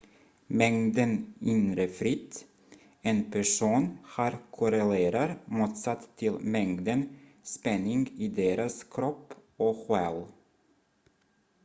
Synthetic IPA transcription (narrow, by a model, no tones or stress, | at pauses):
mɛŋd̪ənɪnɾəfɾɪt̪ː | enpʰæʂuːnhɑːɾkʰʊɾɛleːɾaɾmuːt̪sat̪ʰːɪlmɛŋd̪ənspɛnːɪŋɡiːd̪eːɾaskʰɾɔpːɔɧɛl